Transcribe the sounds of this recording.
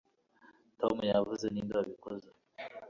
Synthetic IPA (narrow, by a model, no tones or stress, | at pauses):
to̰mjavuzenindowaβikoze